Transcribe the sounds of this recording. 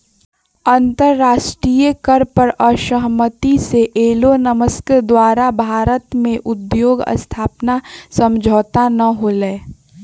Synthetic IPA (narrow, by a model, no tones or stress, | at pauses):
ɐ̃nt̪əɾːaːʃʈɾijəkəɾpəɾəʃəɦmət̪iseʔeːlonəməskəd̪waːɾabʱaːɾət̪mẽʔʊd̪joːɡə̰st̪ʰaːpnasə̃md͡ʒʱoːt̪anɐɦolɛː